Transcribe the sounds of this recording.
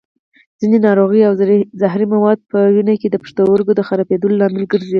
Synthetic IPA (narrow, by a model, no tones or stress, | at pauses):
z̥inenɑɾoɣəjawzaɦɾimawɑd̪̚pəwinaked̪əpə̥ʂt̪owəɾɡod̪əxaɾɑped̪əlolɑmɪlɡəɾze